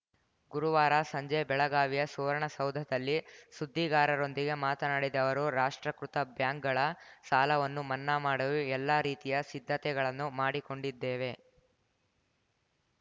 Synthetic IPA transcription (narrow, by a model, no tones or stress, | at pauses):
ɡuɾuʋaːɾasɐɲd͡ʒɛːbɛɭɐɡaːʋijɐsuʋɐɾɐɳɐsɐwd̪ʱɐd̪ɐlːisud̪ʱːiɡaːɾɐɾo̞nd̪iɡe̞maːt̪ɐnaːɽid̪ɐʋɐɾuɾaːʂʈɾɐkɾut̪ɐbjaːŋk̚ɡɐɭɐsaːlɐʋɐnːumɐnːamaːɽɐʋuɛlːaːɾiːt̪ijɐsid̪ʱːɐt̪ɛɡɐɭɐnːumaːɽiko̞ɳɖid̪ːeːʋe̞